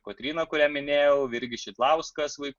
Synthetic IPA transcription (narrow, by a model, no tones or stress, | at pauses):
koːt̪ʲɾʲiːnɐkʊɾʲæːmʲɪnʲeːjɛʊʋɪɾʲɡʲɪʃʲit̪lˠɐʊskɐsʋɐɪk